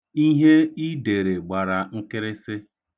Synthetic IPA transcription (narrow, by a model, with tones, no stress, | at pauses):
i˦ɦe˦i˦de˨ɾe˨ɡ͡ba˨ɾa˨ŋ̩˦kɪ˦ɾɪ˦sɪ˦